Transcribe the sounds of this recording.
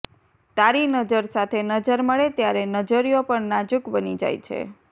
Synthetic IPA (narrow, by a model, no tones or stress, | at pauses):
t̪aɾinəd͡ʒəɾsat̪ʰenəd͡ʒəɾməɭet̪jaɾenəd͡ʒəɾijopəɳnad͡ʒukbənid͡ʒa̰jt͡ʃʰḛ